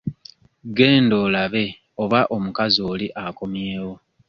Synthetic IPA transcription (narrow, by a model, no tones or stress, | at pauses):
ɡe̞ːndo̞ːlaβe̞ | o̞βaʔo̞mukazio̞ːliʔako̞mje̞ːwo̞